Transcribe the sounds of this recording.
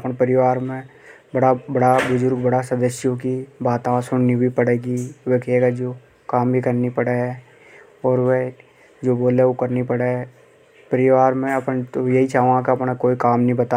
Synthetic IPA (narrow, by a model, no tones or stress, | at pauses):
ɐpnpɐɾɪʋaːɾmẽ | bɐɽabɐɽabʊzʊɾɡbɐɽasɐd̪əsjõkibaːt̪ãsʊɽnibʱipɐɽeːɡiʋekʰeːɡad͡ʒoː | kaːmbʱikɐɾnipəɽeɦɛ | ɔːɾʋe | d͡ʒoːboːleokɐɾnipɐɽe | pəɾɪʋaːɾmẽɐpnt̪ojɐɦit͡ʃaːɦõɡãkaɐpnakoːikaːmnəɦĩbɐt̪a